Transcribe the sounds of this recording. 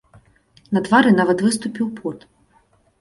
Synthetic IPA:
nɐd̪vaɾɨnavɐt̪vɨst̪upʲiwpʰɔt̪

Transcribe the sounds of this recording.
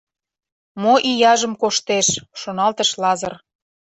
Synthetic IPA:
moʔijɑʒə̆mkoʃt̪eʃʃonɑlt̪ə̆ʃlɑzər

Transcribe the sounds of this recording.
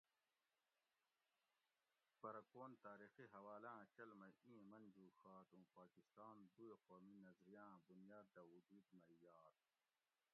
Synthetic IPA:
pɐɾɐkoːnt̪aːɾixiɦɐwaːlãːt͡ɕɐlmɐĩːẽmɐnd͡ʑuːxaːt̪ũːpaːkist̪aːnd̪ueqoːminɐzɾijãːbunjaːd̪d̪ɐwud̪uːd̪mɐjaːt̪̚

